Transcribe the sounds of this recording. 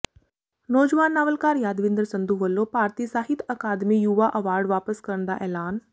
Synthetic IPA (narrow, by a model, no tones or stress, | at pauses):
nɔːd͡ʒʋaːnːaːʋəlkaːɾjaːd̪ʋɪnd̪ɾəsə̃nd̪uʋəlːopaːɾt̪isaːɦɪt̪ʰɐkaːd̪mijuʋaʔɐʋaːɾɖʋaːpəskɐɾəɳd̪a̰ʔɛːlaːn